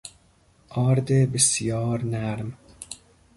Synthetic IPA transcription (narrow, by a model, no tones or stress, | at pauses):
ʔɒːɾd̪ebesijɒːɾnæɾm